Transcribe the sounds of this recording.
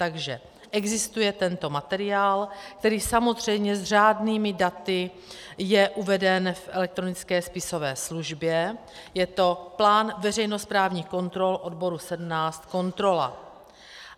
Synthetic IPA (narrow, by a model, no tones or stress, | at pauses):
t̪aɡʒɛ | ʔɛɡzɪst̪ujɛt̪ɛnt̪o̞mat̪ɛɾɪaːlk̚t̪ɛɾiːsamo̞zr̝ɛjmɲɛzr̝aːdniːmɪdat̪ɪ | jɛʔuvɛdɛnfʔɛ̰lɛk̚t̪ɾo̞nɪt͡skɛːspɪso̞vɛːsluʒbjɛ | jɛt̪o̞plaːnvɛr̝ɛjno̞spɾaːvɲiːxko̞nt̪ɾo̞lʔo̞dbo̞ɾusɛdm̩naːst̪ko̞nt̪ɾo̞la̰